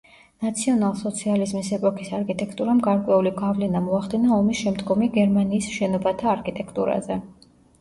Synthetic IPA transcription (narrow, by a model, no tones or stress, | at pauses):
nat̪sʰiɔnalˠsɔt̪sʰializmisɛpʼɔkʰisaɾkʼʰit̪ʼɛkʰt̪ʼuɾamɡaɾkʼwɛuliɡavlɛnamɔaχd̪inaɔmisʃɛmd̪ɡɔmiɡɛɾmaniːsʃɛnɔbat̪ʰaːɾkʰʼit̪ʼɛkʰt̪ʼṵɾa̰zɛ